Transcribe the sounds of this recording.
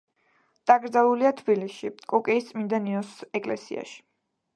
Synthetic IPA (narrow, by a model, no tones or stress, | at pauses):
d̪̥aɡɾd̪zalˠuliat̪ʰbilisʃikʼɔkʼɛist̪sʼmind̪aniɔsɛkʼlɛ̰sḭa̰ʃi̥